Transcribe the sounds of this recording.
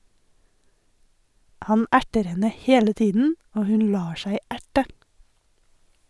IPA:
ˈhɑn ˈæʈəɾ ˈhɛnə ˈheːlə ˈtiːdn̩ ˈoː ˈhʉn ˈlɑː ˈʃæɪ ˈæʈə

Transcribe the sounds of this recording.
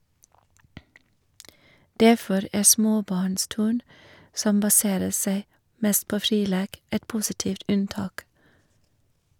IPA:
ˈdæfɔɾ ˈæː ˈsmoːˌbɑːɳˌstʉːɳ ˈsɔm bɑˈseːɾə ˈseɪ ˈmɛst ˈpoː ˈfɾiː ˈleːk ˈɛt ˈpuːsɪˌtiːft ˈʉnˌtɑːk

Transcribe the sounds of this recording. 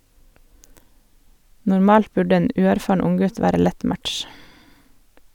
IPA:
nʊɾˈmɑːlt ˈbʉɖə ˈeːn ˈʉːæɾˌfɑːɳ ˈʊŋˌɡʉt ˈʋæːɾə ˈlɛt ˈmætʃ

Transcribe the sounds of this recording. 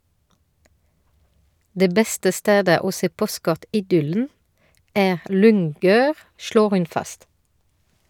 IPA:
ˈdeː ˈbɛstə ˈsteːdə ˈoː ˈseː ˈpɔˌskɔʁtɪˌdʏln̩ ˈæːʁ ˈlʏŋˌɡøːʁ ˈʃɭoːʁ ˈhʉn ˈfɑst

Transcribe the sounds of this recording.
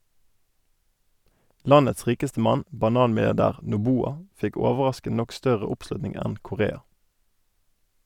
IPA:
ˈlɑnəts ˈʁiːkəstə ˈmɑn bɑˈnɑːnmɪlɪɑʁˌdæːʁ nʊˈbuːɑ ˈfɪk ˈɔʋəʁɑskən ˈnɔk ˈstœʁə ˈʊpˌslʉtnɪŋ ˈɛn kʊˈʁeːɑ

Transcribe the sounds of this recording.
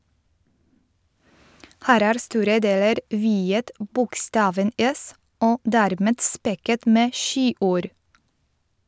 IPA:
ˈhæːɾ ˈæːɾ ˈstuːɾə ˈdeːləɾ ˈʋiːət ˈbʊkˌstɑːʋən ˈɛs ˈoː ˈdæːɾˌmɛd ˈspɛkət ˈmeː ˈʃiːˌʔuːɾ

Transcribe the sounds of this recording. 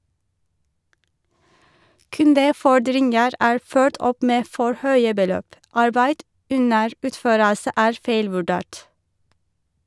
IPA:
ˈkʉndəˌfɔɖɾɪnɡəɾ ˈæːɹ ˈføːʈ ˈɔp ˈmeː ˈfɔɹ ˈhœʏə bəˈløːp ˈɑɹbæɪd ˈʉnəɹ ˈʉːtˌføːɾəsə ˈæːɹ ˈfeɪlʋʉˌɖeːʈ

